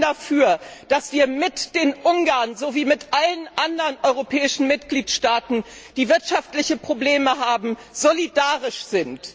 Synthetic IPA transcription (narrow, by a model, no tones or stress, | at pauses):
dafyːɐd̥asv̥iːɐmɪtd̥eːnʔʊŋɡaːɐnzoviːmɪtʔalənʔandɐʁənʔɔʏʁopʰɛːɪʃn̩mɪtɡ̥liːtʃtaːtn̩d̥iːvɪɐtʃaftlɪçəpʁ̥obleːməɦaːbm̩z̥olidaːʁɪʃz̥ɪnt